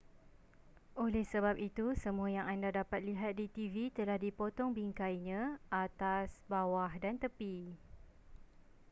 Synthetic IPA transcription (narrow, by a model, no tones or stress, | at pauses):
ʔolɛhsəbap̚it̪usəmũajaŋandadapat̪̚liɦat̪̚dit̪ivit̪əlahdipot̪ɔŋbiŋkajɲãʔat̪asbawahdant̪əpi